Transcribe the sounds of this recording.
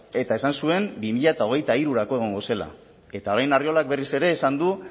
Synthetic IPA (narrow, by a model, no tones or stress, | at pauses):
e̞t̪ae̞sansue̞mbimiʎat̪ao̞ɣ̞e̞jt̪aiɾuɾako̞e̞ɣ̞o̞ŋɡo̞se̞la̰ | e̞t̪ao̞ɾajnario̞lak̚be̞rise̞ɾe̞ːsand̪u